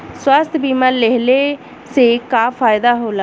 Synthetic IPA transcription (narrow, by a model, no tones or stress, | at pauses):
swəst̪ʰbiːmənleɦleː | seːkaːpʰaːjd̪aːɦoːlaː